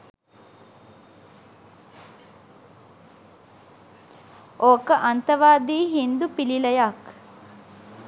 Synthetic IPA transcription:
oːkəʔant̪əʋaːd̪iːɦind̪upililəjak

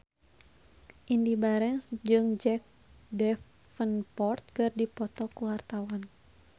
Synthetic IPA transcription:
ʔindibaɾɛnsd͡ʒɨŋd͡ʒɛk̚ | dɛf | fənpɔrt̪̚kɨrdipɔt̪ɔkuwart̪awan

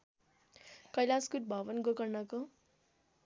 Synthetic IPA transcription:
kʌjlaskuʈ̚bʱʌʋʌnɡokʌrnʌko

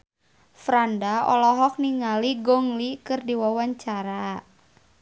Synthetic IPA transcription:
fɾandaɔ̰lɔɦɔk̚niŋaliɡɔŋlikɨrdiwawaɲt͡ʃaɾa

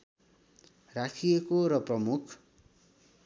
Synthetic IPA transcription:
rakʰijekoɾʌprʌmukʰ

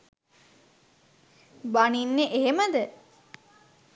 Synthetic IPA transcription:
baninːeʔeɦeməd̪ə

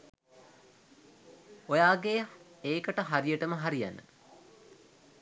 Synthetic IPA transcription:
ojaːɡeeːkəʈəɦaɾijəʈəməɦaɾija̰nə̰

